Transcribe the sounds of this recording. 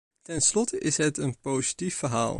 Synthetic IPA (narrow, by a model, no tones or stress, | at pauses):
tɛnslɔtəʔɪsɦətənpowzitifːəɹɦa̰ːlˠ